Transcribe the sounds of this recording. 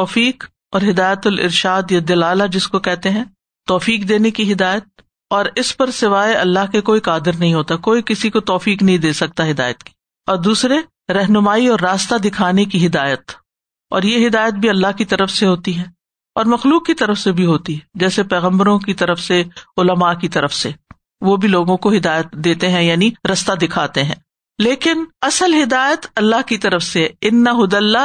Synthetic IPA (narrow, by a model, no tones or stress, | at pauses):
t̪ɔːfiːk | ɔːɾɦɪd̪aːjət̪ʊlʔɪ̰ɾʃaːd̪jad̪ɐlaːlad͡ʒɪskokɛɦt̪eɦɛ̃ː | ɔːfiːkd̪eːnekiɦɪd̪aːjət̪̚ | ɔːɾɪspɐɾsɪʋaːeʔɐlːaɦkekoːikaːd̪ɪɾnɐɦĩɦoːt̪akoːikɪsikot̪ɔːfiːknɐɦĩd̪eːsɐk̚t̪aɦɪd̪a̰ːjət̪ki̥ | ɔːɾd̪uːsɾe | ɾɛɦnʊmaːiɔːɾːaːst̪ad̪ɪkʰaːnekiɦɪd̪aːjət̪ | ɔ̰ːɾjeɦɪd̪aːjət̪̚bʱiɐlːaɦkit̪ɐɾəfseɦoːt̪iɦɛː | ɔːɾmɐxluːkːit̪ɐɾəfsebʱiɦoːt̪iɦɛd͡ʒɛːsepɛːɣə̃mbəɾõkit̪ɐɾəfseʊləmakit̪ɐɾəfse | ʋobʱiloːɡõkoɦɪd̪aːjət̪d̪eːt̪eɦɛ̃jaːniɾɐst̪ad̪ɪkʰaːt̪eɦɛ̰̃ː | leːkɪnɐsəlɦɪd̪aːjət̪ɐlːaɦkit̪ɐɾəfseɛɪnːəɦʊd̪əlːa